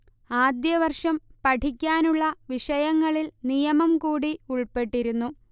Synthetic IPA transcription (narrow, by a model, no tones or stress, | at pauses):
aːd̪jɐʋɐrʂɐmpɐʈʰikʲːaːnuɭːɐʋiʂɐjɐŋːɐɭilnijɐmɐmkuːɽiuɭpe̞ʈːiɾunːu